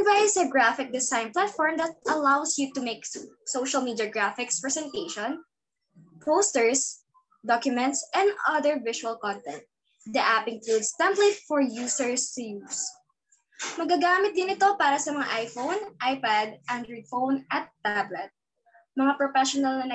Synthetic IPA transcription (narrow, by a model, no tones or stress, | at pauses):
vajsɐɡɹafɪk̚d̪ɪsajnplat̪fɔɹmd̪ɐt̪̚ʔɐlawsjut̪ʊmejksowʃɐlmiːd̪ɐɡɹafɪkspɹɛsɛ̃nt̪ejʃɔ̃n | powst̪ɛɹs | d̪ɔkjʊmɛ̃nt̪sʔɛ̃nd̪ɐðɛɹvɪʃuɐlkɔ̃nt̪ɛ̃nt̪̚ | d̪ɐʔapɪ̃nklud̪st̪ɛmplet̪̚fɔɹjuːsɛɹst̪ʊjus | mɐɡɐɡaːmɪt̪̚d̪ɪnɪt̪o̞paːɾɐsɐmɐŋaʔajfownʔajpad̪̚ʔɐnd̪ɹifownʔɐt̪ːablɛt̪̚ | mɐŋapɹɔfɛʃɔnɐlnɐnɐ